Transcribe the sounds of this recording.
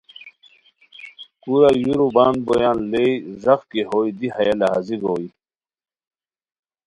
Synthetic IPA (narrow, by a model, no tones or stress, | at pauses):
kuɾajuɾubaːnbojaːnlejzɐχkiɦojd̪ihɐjalɐɦa̰ziɡoːji